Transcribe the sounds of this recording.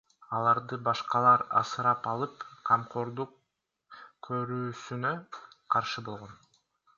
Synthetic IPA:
ɑlˠɑɾd̪ɯbɑʃqɑlˠɑɾɑ̰sɯɾɑpɑlˠɯpqʰɑmqʰo̞ɾd̪uq | kʰːøɾyːsynøqʰɑɾʃɯbo̞lˠʁo̞n

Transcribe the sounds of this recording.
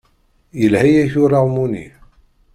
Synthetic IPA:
jəlhæjæçʊɾaʁmunḭ

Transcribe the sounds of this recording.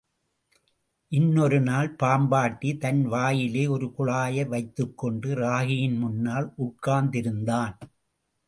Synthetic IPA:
ʔɪnːɔɾɯnaːlpaːmbaːʈːit̪ɐnʋaːjɪleːɔɾɯkʊɭaːjɐɾʋɐɪt̪ːɯkːɔɳɖɯɾaːɣɪjɪnmʊnːaːlʔʊʈkːaːnd̪ɪɾɯnd̪aːn

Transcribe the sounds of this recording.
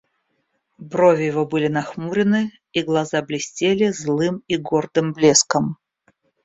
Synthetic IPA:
bɾovʲɪjɪvobɨlʲɪnɐxmuɾʲɪnɨ | iɡlˠɐzablʲɪsʲtʲelʲɪzlˠɨmiɡord̪ɨmblʲeskəm

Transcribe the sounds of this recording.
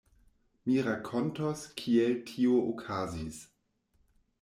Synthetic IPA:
miɾakʰontoskʰieltʰioʔokʰazis

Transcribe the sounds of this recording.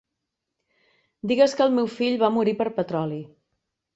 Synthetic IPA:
d̪iɣəskəːlˠmewfiʎβamuɾipəɾpət̪ɾɔli

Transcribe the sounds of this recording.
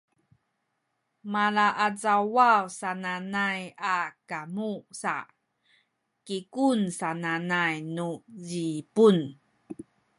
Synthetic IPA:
malaʔat͡sawawsananajakamusa̰ | kikunsananajnuzipun

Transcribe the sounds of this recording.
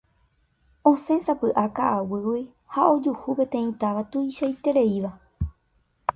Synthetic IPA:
õsẽ̞sapɨʔakaʔawɨwi | haʔo̞d͡ʒuhupẽ̞t̪ẽ̞ĩt̪aʋat̪uiʃajt̪e̞ɾe̞iʋa

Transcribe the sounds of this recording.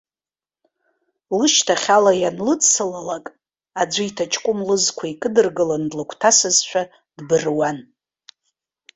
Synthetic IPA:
lɨʃtʰaχʲalajanlɨt͡sʰɨlalakʼ | ad͡ʒʷaitʰat͡ʃʰʼkʷʼʊmlɨzkʷʰaikʼɨdɨrɡɨlandlakʷʰtʰasɨzʃʷʰᶣa | dbɨrwan

